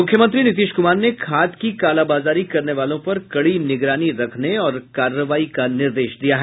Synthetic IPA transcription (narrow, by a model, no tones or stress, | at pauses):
mʊkʰjəmə̃nt̪ɾinɪt̪̬iːʃkʊmaːɾnekʰaːt̪kikaːlaːbaːzaːɾikɐɾneʋaːlõpɐɾkɐɽinɪɡɾaːniɾɐkʰneɔːɾkaːɾəʋaːikanɪɾd̪eːʃd̪ijaɦɛː